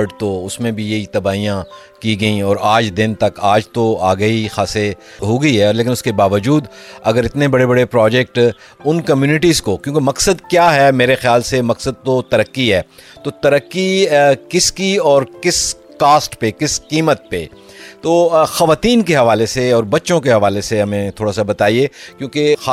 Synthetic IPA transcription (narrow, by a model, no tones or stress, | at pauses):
ɖt̪oʊsmẽbʱijɐɦit̪ɐbaːijã | kiɡɐĩɔːɾaːd͡ʒd̪ɪnt̪ɐkaːd͡ʒt̪oaːɡɐixaːse | ɦoːɡɐiɦɛɔːɾleːk̬ɪnʊskebaːʋəd͡ʒuːd̪ɐɡəɾɪt̪nebɐɽebɐɽepɾɔːd͡ʒɛk̚ʈ | ʊnkɐmjuːnɪʈiːzkokjõːkemɐksəd̪kjaːɦɛmeːɾexjaːlsemɐksəd̪̚t̪ot̪ɐɾəkːiɦɛːt̪oːt̪ɐɾəkːikɪskiɔːɾkɪs | kaːsʈpekɪskiːmət̪̚pe | t̪oːxɐʋaːt̪iːnkeɦɐʋaːleseɔːɾbɐtːʃõkeɦɐʋaːleseɦɐmẽt̪ʰoːɽasabɐt̪aːiekjõːke